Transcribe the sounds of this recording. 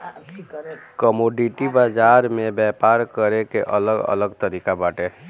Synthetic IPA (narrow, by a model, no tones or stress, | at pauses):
kəmoɖiʈibad͡ʒaɾmebɛpaɾkəɾekeʔə̰ləɡə̰ləɡt̪əɾikabaʈe